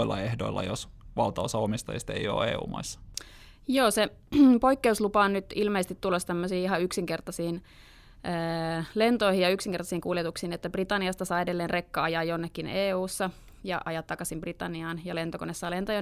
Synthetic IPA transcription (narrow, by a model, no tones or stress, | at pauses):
ilːɑ̰ehdoilːɑ̰josʋɑlt̪ɑosɑomist̪ɑjḭst̪eijo̰ːeːṵːmɑ̰isːɑ̥ | joːse | po̞ikːeuslupɑːnnyt̪ilmeise̥t̪it̪t̪ːulːɑst̪æmːøsiːiɦɑyksiŋkert̪ɑsiːn | ʔəːlent̪oihijɑyksiŋkrt̪ɑsiːŋkuljet̪uksiːnet̪ːæbrit̪ɑnːiɑst̪ɑsɑːedelːeːnrekːɑɑjɑːjonːekːineːuːsːɑ | jɑ̰ʔɑjɑt̪ːɑkɑsimbrit̪ɑnːiɑːnjɑlent̪okonesːɑːlent̪ojɑ